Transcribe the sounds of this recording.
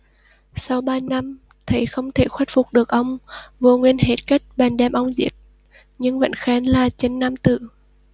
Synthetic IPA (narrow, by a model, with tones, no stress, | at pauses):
sa˧wɓaː˧na˧m | t̪ʰə˨˦jxə˧wŋ͡mt̪ʰe˧˩xwɛ˦˥t̚fʊ˨˩k͡p̚ɗɨ˨˩ək̚ʔə˧wŋ͡mvu˧əŋwi˧ənhe˨˩t̚ka˦˥jk̚ɓɛː˨˩nɗɛ˧˩mʔə˧wŋ͡mzḭ˦˥t̚ | ɲɨ˧ŋvə̰˧˥nxɛ˨˦nlaː˨˩t͡ɕe˧nːa˧mt̪ɨ̰˧˨